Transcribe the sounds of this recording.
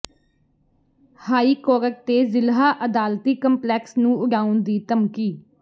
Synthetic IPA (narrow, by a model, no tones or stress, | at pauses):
haːiːkoːɾək̚t̪eːzɪlɦaːʔəd̪aːlt̪iːkəmplɛːksnũːʊɖaːʊnd̪iːt̪əmkiː